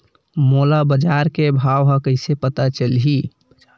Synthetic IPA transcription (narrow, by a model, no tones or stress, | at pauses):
molabəd͡ʒaɾkebʱawɦə̃kəɪsepət̪at͡ʃəlɦi